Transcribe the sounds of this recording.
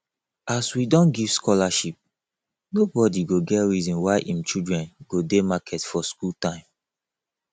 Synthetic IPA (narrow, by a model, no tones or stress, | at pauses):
aswidɔ̃nɡiv̥skɔlaʃip̚ | nobɔdiɡoɡɛtɹizɔ̃nwaɪʔĩmt͡ʃidɹɛ̃nɡodemakʰɛtfɔskultãɪ̃m